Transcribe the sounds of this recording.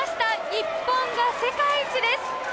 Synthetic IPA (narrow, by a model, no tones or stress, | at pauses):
ɕt̪aɲipːoŋɡase̞kajt͡ʃid̪es